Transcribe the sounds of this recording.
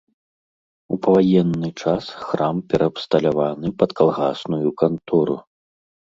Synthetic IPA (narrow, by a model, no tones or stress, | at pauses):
upɐvajɛnːɨt͡ʂasxɾampʲɛɾʔɐːpst̪ɐlʲavanɨpɐt̪kʰalˠɣasnujukant̪ɔɾṵ